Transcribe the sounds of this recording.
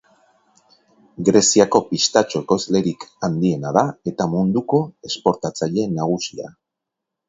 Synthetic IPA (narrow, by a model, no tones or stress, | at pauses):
ɡɾe̞siako̞pist̪at͡ʃo̞eko̞zle̞ɾikand̪ie̞naðae̞t̪amund̪uko̞e̞spo̞ɾt̪at͡saʎe̞naɣ̞usia̰